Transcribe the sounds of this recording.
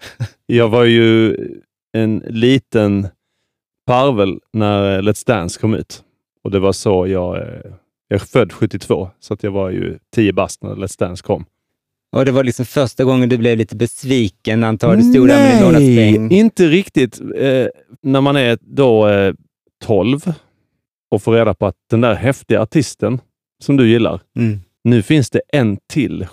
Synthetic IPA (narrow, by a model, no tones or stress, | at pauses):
jɑːɡvaɾjɵ | ɛnliːt̪ən | pʰaɾvəlnæɾlɛt̪st̪ænskʰɔmʉ̟̰ːt̪ | ɔd̪ɛvaʂojɑːɡ | jɑːɡfœd̪ːɧɵt̪ːɪt̪ʰv̥o̰ːsɔat̪jɑːɡvaɾjɵ̰t̪ʰiːəbast̪næ̰ɾlɛt̪st̪æːnskʰːɔmː | ʔɔd̪ɛvaɾlɪksɔmfœɾʂʈaɡɔŋːənd̪ɵblɛvliːt̪əbɛsviːkənːaant̪ʰɑːdɛsuːɾa | ɪnt̪əɾɪkt̪ɪt̪ | næɾmanæɾd̪o | t̪ʰɔlv | ɔfoːɾeːd̪apʰɔat̪̚d̪̥ɛnd̪æɾhɛft̪ɪɡaaʈʰɪst̪ən | sɔmd̪ɵjɪlːa̰ɾ | nʉ̟ːfɪnsd̪ɛʔɛnt̪ʰɪlː